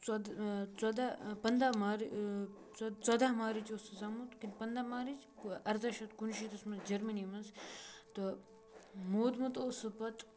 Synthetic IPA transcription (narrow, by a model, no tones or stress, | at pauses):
t͡sɐd̪t͡sɐd̪apɐnd̪amaːɾi | t͡st͡sɐd̪aɦmaːɾit͡ʃoːsɨsaːmut̪kinpɐnd̪amaːɾit͡ʃ | ɐɾt̪ɐʃɐt̪kunʃit̪ɐsmɐt̪d͡ʒɐɾmɐnimɐnst̪o | moːd̪mɐt̪oːsɨpɐt̪